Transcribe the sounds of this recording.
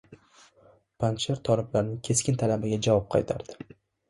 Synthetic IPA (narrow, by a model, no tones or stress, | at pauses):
pʰant͡ʃaɾt̪ʰɒlɪblaɾnɪŋkʲʰe̞skʲɪnt̪ʰalabɪɡʲad͡ʒavɒp̚qʰɑ̰jt̪ʰa̰ɾd̪ɪ̥